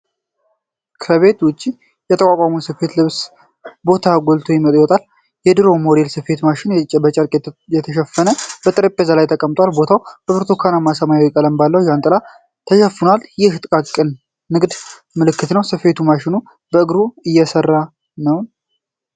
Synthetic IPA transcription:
kʰɾəβe̞t̪wʊt͡ʃʼːi | jɛt̪ʰəkʼakʷʼaməsɨfe̞t̪lɨβs | bo̞t̪ʰaɡʷolt̪ʰo̞jɪmət̪ʼjiwɔt̪ʼal | jɛd̪ɨɾo̞mo̞ɾelsɨfe̞t̪maʃɪnt͡ʃʼːɛbət͡ʃʼɐɾkʼjɛt̪ʰəʃɛfːənəb̥ət̪ʼɨɾəpʼːezalajt̪ʰəkʼəmt̪ʼwalbo̞t̪ʰawb̥əβɨɾt̪ʰo̞kʰanamasəmajawɛkʼələmbalːəwjant̪ʼɨla | t̪ʰəʃɛfːɨnaljɪht̪ʼɨkʼat̪kʼɨnː | ɨɡd̪ | mɨlɨkːɨt̪nəwsɨfe̞t̪ʰumaʃɪnu | bəɨɡɾuɨjːɛsərːa | nəwn

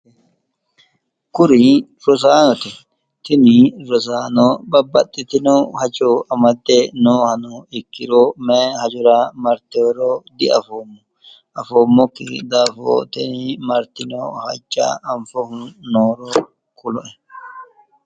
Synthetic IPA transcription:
kʊɾɪ | ɾɔsaːnɔt̪ɪ | t̪ɪnɪɾɔsaːnɔbɐbːɐt̪ʼːɪt̪ɪnohɐt͡ʃʼoɐmɐd̪ːɛnoːhɐnɔɪkːɪɾomeːhɐd͡ʒʊɾamɐɾt̪eɾod̪ɪɐ̰foːmːɔ | ʔɐfoːmːɔkːɪ̰d̪aːfo̰ːt̪ɛnɪmɐɾt̪ɪno̰ːhɐ̰t͡ʃʼːa̰ɐɱfɔhʊnnoːɾo | kʰʊlɔʔɛ

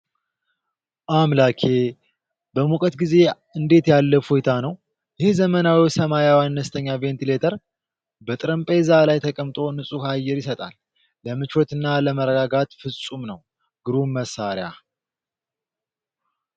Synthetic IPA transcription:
ʔamlakʰe̞ | bəmukʼət̪ɡize̞ | ɨnd̪e̞t̪jalːəfojt̪ʰanəw | jɛhe̞zəmənawisəmajawanːəst̪ʰəɲːave̞nt̪ʰile̞t̪ʰəɾ | bət̪ʼɨɾəmpʼe̞zalajt̪ʰəkʼəmt̪ʼo̞nɨsʼuhajːɛɾjɪsət̪ʼa̰lː | əmɨt͡ʃwɔt̪ɨnːaləməɾəɡaɡat̪fɨsʼumnəw | ɡɨɾuməsːaɾja̰

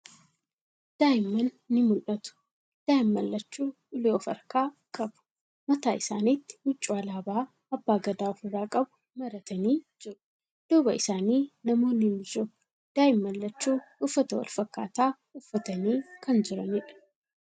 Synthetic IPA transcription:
d̪̥aːjɪmːɐnːɪmʊlʔɐt̪ʊ̥ | d̪̥aːjɪmːɐlːɐt͡ʃːuː | ʊleofɐ̰ɾkaːkʼɐbʊ̥ | mɐt̪aːɪsa̰ːniːt̪ːɪ̥mʊt͡ʃʼːʊɐlaːbaː | ɐbːaːɡɐd̪aːʊfʊraːkʼɐbʊ̥ | mɐɾɐt̪ɐniːd͡ʒɪɾʊ̥ | d̪̥uːbɐɪsaːniːnɐmo̞ːnɪnɪd͡ʒʊ | d̪̥aːjɪmːɐlːɐt͡ʃːuːʊfːɐt̪ɐwɐ̰lfɐkːaːt̪aː | ʊfːɐt̪ɐniːkʰɐnd͡ʒɪɾɐnɪᶑɐ̥

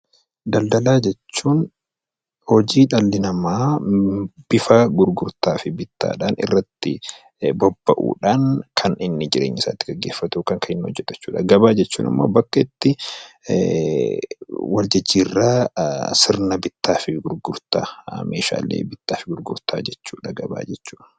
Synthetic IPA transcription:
d̪ɐld̪ɐlaːd͡ʒɛt͡ʃːuːn | hɔd͡ʒiːᶑɐlːɪnɐmaː | b̥ɪfɐɡʊɾɡʊɾt̪aːfɪbɪt̪ːa̰ːᶑaːnɪ̰rːɐt̪ːɪ | bɔbːɐʔṵːᶑaːnkʰɐnɪnːɪd͡ʒɪɾḛːɲːɪsa̰ːt̪ːɪɡɐɡːeːfːɐt̪uːkɐŋkɐɪnːɪɔd͡ʒːɛt̪ɐ̥t͡ʃːuːᶑɐɡɐbaːd͡ʒɛt͡ʃːuːnɪ̰mːo̰ːbɐkːɐɪt̪ːɪ | wɐld͡ʒɪd͡ʒːiːrːaːsɪɾnɐbɪt̪ːaːfɪɡʊɾɡʊɾt̪a̰mḛːʃa̰ːlḛːbɪt̪ːaːfɪɡʊɾɡʊɾt̪ʰaːd͡ʒɛt͡ʃːuːᶑɐɡɐba̰ːd͡ʒɛt͡ʃːuːᶑ

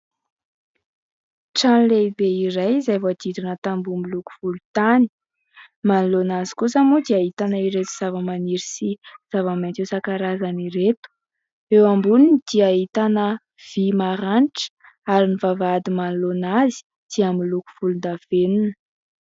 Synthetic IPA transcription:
ʈ͡ʂanleibeiɾajizajvoad̪id̪inət̪ambumiluku̥v̥ulut̪ani̥ | manlonazi̥kusamud̪iaɦit̪anaiɾet̪u̥z̥avəmaniɾisiz̥avamant̪esakaɾazaniɾet̪u̥ | ewambuninid̪̥iaɦit̪anə | v̥imaɾanʈ͡ʂə̥ | aɾinivavaad̪imanlonazi̥ | d̪̥iamiluku̥v̥ulund̪av̥enunə̥

